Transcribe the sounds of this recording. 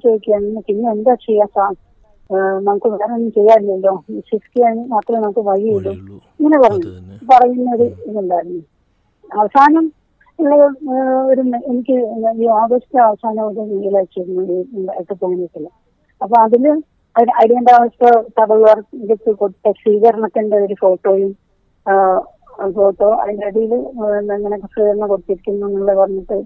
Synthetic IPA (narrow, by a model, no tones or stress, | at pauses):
t͡ɕejikʲːiannːɐkːiɲːiend̪aːt͡ɕejːaːsaː | nɐmukːɨʋeːrɐnːt͡ɕejːaːɾilːɐɐlːo̞ːsiskiaːnat̪ːɐlenɐmukːɨʋɐjielːuiŋːɐnepɐrɐɲːuɳːupɐrɐjunːɐoɾuiðuɳɖaːjiɾunːu | ɐʋɐsaːnɐm | eːɐoɾuenikʲːɨjoːɡɐsi̥t̪ːɐɐʋɐsaːnɐmokːenijilaːjt͡ɕːiɾunːuiɐikːɨpoːniiʈːilːɐ | ɐpːoːɐðilɨ | ɐnɐɽijenɖaːʋɐspot̪ɐbɐlʋɐret̪ːɨkoɽt̪ːesiːɣɐɾɐɳɐt̪ːinɖe̞o̞ɾufo̞ːʈːo̞ːjil | fo̞ːʈːo̞ːɐ̰ðinɐɽijilnŋːɐnekɐsiːɣɐɾɐnːɐkoɽut̪ːiɾikʲːunːuenːuŋːɐɭepɐrɐɲːɐʈːɨ